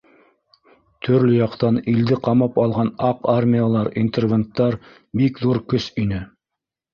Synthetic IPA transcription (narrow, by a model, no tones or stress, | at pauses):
t̪ʰɵ̆ɾlɵjɑqt̪ɑnild̪ɘqɑmɑpɑlˠʁɑnɑqarmʲijalˠɑɾint̪ervʲent̪ːɑɾ | bikðuɾkɵsinɘ